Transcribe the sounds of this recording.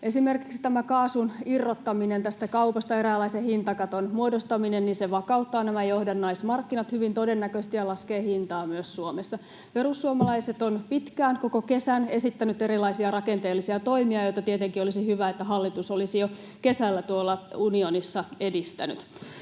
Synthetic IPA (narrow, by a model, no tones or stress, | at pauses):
ʔe̞simerkiksi̥t̪æmækɑːsunirːot̪ːɑminent̪æst̪ækɑupɑst̪ɑeɾæːlæisehint̪ɑkɑt̪onmuodost̪ɑminenninseʋɑkɑut̪ːɑːnæmæjohdɑnːɑismɑrkːinɑt̪hyʋint̪o̞denːækøst̪ijɑlɑskeːhint̪ɑːmyøssuomesːɑ | pe̞rusːuomɑlɑiset̪onpit̪kæːŋko̞koke̞sæne̞sit̪ːænyt̪e̞ɾilɑisiɑrɑkent̪eːlːisiɑt̪oimiɑjo̞it̪ɑt̪iet̪eŋkiolisihyʋæet̪ːæɦɑlːit̪usolisijo | ke̞sælːæt̪uolːɑunionisːɑedist̪æ̰ny̰t̪